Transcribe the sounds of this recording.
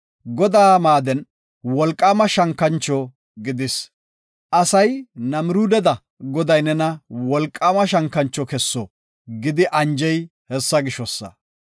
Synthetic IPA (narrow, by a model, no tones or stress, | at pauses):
ɡɔd̪aːmaːd̪ɛn | wɔlkʼːaːmɐʃɐŋkːɐnt͡ʃːɔ | ɡɪd̪ɪs | ʔɐsɐjnɐmɪɾuːd̪ɛd̪ɐ | ɡɔd̪ɐjnɛnɐwɔlkʼːaːmɐʃɐŋkːɐnt͡ʃːɔkɛsːɔ | ɡɪd̪ɪʔɐnd͡ʒɛjhɛsːɐɡɪʃɔsːɐ̰